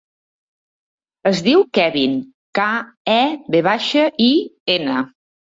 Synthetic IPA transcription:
əzðiwkɛβin | ka | ɛβeβaʃəʔienə

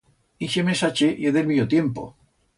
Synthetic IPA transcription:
iʃemesat͡ʃejeðelmiot̪jempo̰

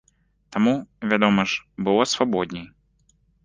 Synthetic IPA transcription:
t̪amuvʲad̪ɔmɐʐbɨlˠɔsvabɔd̪ʲnʲɛj

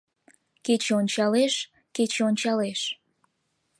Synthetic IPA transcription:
ket͡ɕeonʲt͡ɕɑleʃ | ket͡ɕeonʲt͡ɕɑleʃ

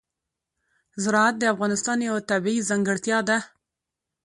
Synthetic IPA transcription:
zɪɾɑat̪̚d̪əafɣɑnɪst̪ɑnjawat̪abiizaŋɡəɽt̪jɑd̪a

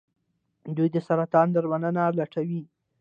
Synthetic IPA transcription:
d̪ujd̪əsaɾat̪ɑnd̪əɾmanənaɾlaʈawi

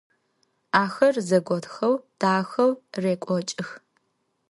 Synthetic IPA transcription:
aːxɐrzɐɡʷɔtxɐwd̥aːxɐwreːkʷʼɔt͡ʃʼɪx

